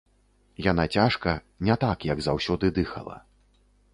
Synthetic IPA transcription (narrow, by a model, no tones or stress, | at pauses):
janat͡sʲaʂkɐ | nʲɛt̪akjɐɡzawsʲɔd̪ɨd̪ɨxɐ̰lˠɐ̰